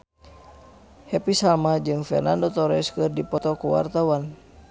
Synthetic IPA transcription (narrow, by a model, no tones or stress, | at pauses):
hɛpisamad͡ʒɨŋfɛ̰rnandɔt̪ɔɾɛskɨrdipɔt̪ɔkuwa̰rt̪awan